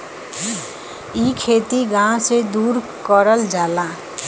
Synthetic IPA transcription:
ikʰet̪iɡãsed̪uːɾ | kəɾəld͡ʒaːla

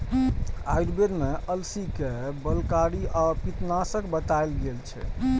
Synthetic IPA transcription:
ajɖbeɾmeʔəlsikebəlkaɾiʔapit̪nasəkbət̪aelɡelt͡ʃʰɛ̰

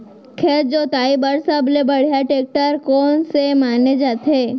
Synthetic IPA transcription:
kʰeːtd͡ʒoːt̪aːibəɾsəblebɐɽ̤jaʈeːk̚ʈəɾkɔːnsemaːned͡ʒaːt̪ʰeː

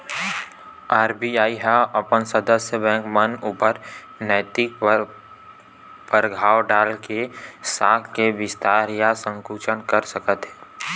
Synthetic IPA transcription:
aːɾbiaːiɦaʔəpənsəd̪əsjəbɛ̃ːŋkmənuːpəɾ | nɛɪt̪ɪk | pəɾɡʱaːwɖaːlkesaːkkeʋɪst̪aːɾjasə̃ŋkuːt͡ʃənkəɾsəkət̪ɦɛː

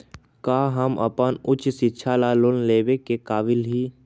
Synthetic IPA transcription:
kaːɦəmə̰pənʊt͡ʃsɪtːʃʰalalʊnleːʋekekaːʋɪlɦiː

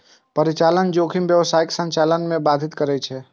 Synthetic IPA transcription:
pəɾit͡ʃalənd͡ʒokʰimbjəʋsaiksə̃ɲt͡ʃalənmẽbad̪ʱit̪kəɾɛt͡ʃʰɛ

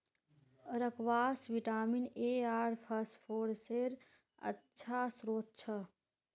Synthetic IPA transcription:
ɾəkʋaːsʋiʈaːmineːaːɾpʰəsʈpʰoːɾseɾ | ə̰tːt͡ʃʰasɾoːt̪̚t͡ʃʰə

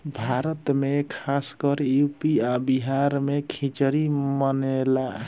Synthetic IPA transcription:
bʱaɾət̪mekʰaskəɾjupiabiɦaɾmekʰĩt͡ʃəɾimənela

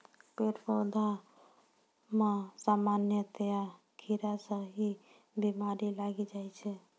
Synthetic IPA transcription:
peʈpɔd̪ʱa | mesamanjət̪ja | kʰiɾasə̃ɦi | bimaɾilaɡid͡ʒajt͡ʃʰɛ

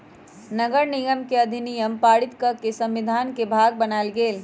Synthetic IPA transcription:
nəɡəɾniɡəmkeɐd̪ʱinijəmpaːɽit̪kəɾkesə̃mʋid̪ʱaːnkebʱaɡ̚bənaelɡeːl

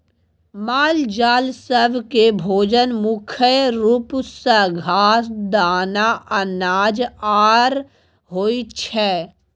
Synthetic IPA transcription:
maːld͡ʒaːlsəbkebʱoːd͡ʒənmʊkʰəɾupsəɡʱaːsd̪aːnaʔɐnaːd͡ʒaːɾ | ɦoːit͡ʃʰɛː

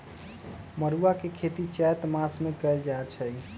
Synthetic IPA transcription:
məɾuakekʰet̪it͡ʃɛt̪masmekəjld͡ʒaet͡ʃʰəj

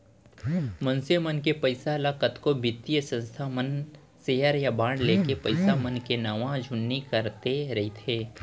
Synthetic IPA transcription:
mə̃nsemənkepəɪsalakət̪kobɪt̪ijəsə̃nst̪ʰamən | seːjəɾjabãːɳɖleːkepɐɪsamənkenaːʋãd͡ʒʱʊnːikəɾt̪eɾɐɦit̪ʰeː

